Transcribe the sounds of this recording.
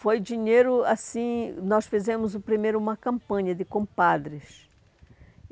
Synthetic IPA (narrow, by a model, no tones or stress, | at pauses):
fojd͡ʒiɲejɾʊasĩnɔsfizẽmʊzʊpɾimejɾʊũmɐkɐ̃mpɐ̃ɲɐd̪ɪkõmpad̪ɾɪs